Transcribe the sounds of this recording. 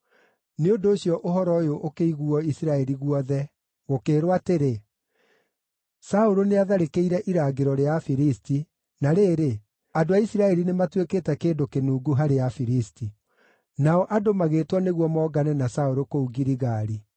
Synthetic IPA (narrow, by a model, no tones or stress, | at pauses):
neondoːɕijɔʔoɦɔɾɔjoʔokeiɣuɔisiɾaɛɾiɣuɔðɛ | ɣokeːɾwateɾe | saoɾoneaðaɾekeiɾɛʔiɾaːɡeɾɔɾeafiɾisti | naɾeːɾe | adoaisiɾaɛɾinematweketɛkeːdokenuːɡuɦaɾeafiɾisti | naɔʔadomaɣeːtwɔneɣwɔmɔːɡanɛnasaoɾokouɡiɾiɣaːɾi